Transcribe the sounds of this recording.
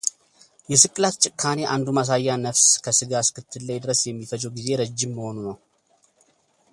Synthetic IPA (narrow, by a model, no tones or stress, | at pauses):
jɛsɨkʼlat̪t͡ʃʼɪkʰːane̞ʔand̪umas̬ajːanəfskʰəsɨɡaskɨt̪ʰːɨlːajd̪ɨɾəsjɛmːifəd͡ʒʼəwɡize̞ɾəd͡ʒːɪmːəho̞nunəw